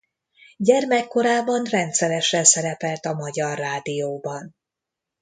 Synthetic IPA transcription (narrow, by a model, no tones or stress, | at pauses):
ɟɛrmɛkːo̞ɾaːbɒnrɛnt̪sɛɾɛʃɛnsɛɾɛpɛlt̪ɒmɒɟɒrːaːd̪ijoːbɒn